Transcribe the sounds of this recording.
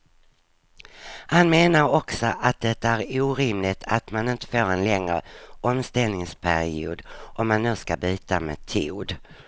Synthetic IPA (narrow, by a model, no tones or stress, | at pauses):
hanmeːnaɾɔksɔʔat̪̚d̪ɛt̪ːaæɾuːɾɪmlɪt̪ʰat̪manɪnt̪ə̥foːɾɛnlɛŋɾə̰ɔmst̪ɛlnɪŋspʰæɾɪṵːd̪ʔɔmːanːʉ̟ːskabyːt̪amɛt̪ʰuːd̪